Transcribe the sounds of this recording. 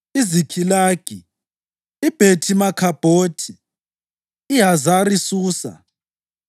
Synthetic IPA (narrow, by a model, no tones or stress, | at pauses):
izikʰilaːɡ̥ʱi | ib̥ʱetʰimakʰab̥ʱoːtʰi | iɦazaɾisuːsa̰